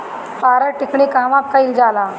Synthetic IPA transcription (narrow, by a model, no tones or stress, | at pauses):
paɾəʈikɳiːkaʋakʰːaild͡zala